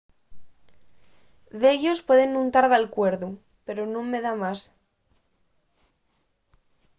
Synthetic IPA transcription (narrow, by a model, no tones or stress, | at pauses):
ðeʎo̞spwe̞ð̞e̞nːũnt̪aɾðalkwe̞ɾðu | pe̞ɾonõmːe̞ðamas